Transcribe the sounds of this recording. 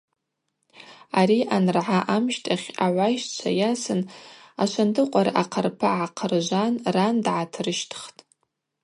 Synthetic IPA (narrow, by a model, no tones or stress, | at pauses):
aɾiʔanrʕaʔamʃtʼʰaχʲaʕʷajʃt͡ʃʷʰa̰jasɨnaʃʷʰantʰɨqʷʼaɾaʔaqʰərpʰaʕaqʰərʒʷanrandʕatʰrɨʃtʰχtʼ